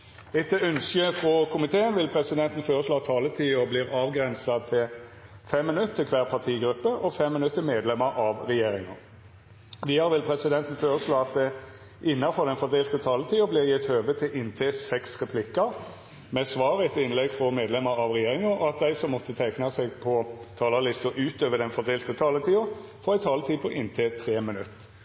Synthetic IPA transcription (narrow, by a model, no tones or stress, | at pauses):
ɛt̪ːəœnsəfɾɔkʰʊmɪt̪ʰeːənʋɪlpʰɾɛsɪd̪ɛnt̪n̩føːʁəsloːɑt̪ʰːɑːlət̪ʰiːobliːʁɑːʋɡʁɛnsɑt̪ʰɪlfɛmːɪnʉt̪ːʰəkʰʋæːʁpʰɑt̪ʰiːɡɾʉpːəʔɔfɛmːɪnʉt̪ːəmeːd̪lɛmɑʔɑʋʁɛjeːɾɪŋɑ | ʋɪhɑɾʋɪlpʰɾɛsɪd̪ɛnt̪nføːɾəsloːɑt̪̚d̪ɛ | ʔɪnːɑfɔʁd̪ɛnfɔd̪eːlt̪ət̪ʰɑːlət̪ʰiːʊblɪʁjɪt̪høːʋət̪ʰɪlʔɪnt̪ʰeːsɛksʁɛpʰlɪkːɑɾ | mɛsʋɑːɾəɛt̪ɪnlɛɡfʁɔmeːd̪lɛməɾɑʋʁɛjeːʁɪŋəɔɑt̪̚d̪æɪsɔmːɔt̪ːət̪ʰæɪknɑsɛɡpʰɔt̪ʰɑːləlɪst̪ʊʔʉːt̪øːʋəd̪ɛnfɔd̪eːlt̪ət̪ʰɑːlət̪ʰiːʊfɔɾæɪt̪ʰɑːlət̪ʰiːpʰɔʔɪnt̪ʰeːt̪ʰɾeːmɪnʉt̪ː